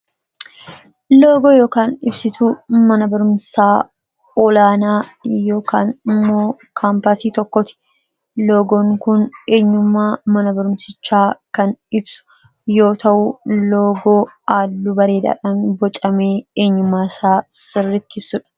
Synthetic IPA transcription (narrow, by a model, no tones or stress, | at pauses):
lo̞ːɡoːjo̞ːkaːnɪbsɪt̪umɐnɐbɐɾʊmsaː | ɔlaːnaːjoːkaːnɪmːoːkʰaːmpɐsiːt̪ɔkːɔt̪ɪ̥ | lo̞ːɡoːŋkʊne̞ːɲːʊmːaːmɐnɐbɐɾʊmsɪt͡ʃːaːkɐnɪbsʊ̥ | jo̞ːt̪ɐʔʊloːɡoːaːlːʊbɐɾe̞ːd̪a̰ːᶑaːnbɔt͡ʃʼɐmeːeːɲːʊmːaːsaːsɪrːɪt̪ːɪɪbsʊᶑɐ̥